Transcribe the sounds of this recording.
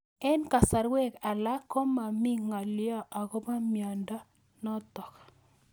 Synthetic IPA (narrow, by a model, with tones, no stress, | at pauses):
ɛ˦nka˨sa˨ɾwe˦˨ka˨la˦kːo˦ma˨mi˦ŋa˨ljɔ˦ʔa˨ko˦pa˦mja˨ndɔ˦ | nɔ˦tɔ˨k